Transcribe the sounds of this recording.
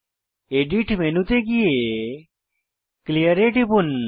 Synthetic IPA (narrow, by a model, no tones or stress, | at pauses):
eɖiʈmenut̪eɡie | klijəɾeʈibun